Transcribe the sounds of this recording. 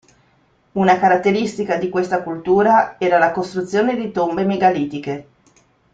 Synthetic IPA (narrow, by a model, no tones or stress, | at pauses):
unakaɾat̪ːeɾist̪ikad̪ikwest̪akult̪uːɾaɛːɾalakost̪ɾut̪sːjoːned̪it̪ombemeɡaliːt̪ike